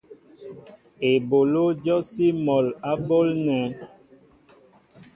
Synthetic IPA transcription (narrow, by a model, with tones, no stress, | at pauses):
e˨bo˨lo˦d͡ʒɔ˦si˦mɔ˨la˦bo˦lnɛ˨˦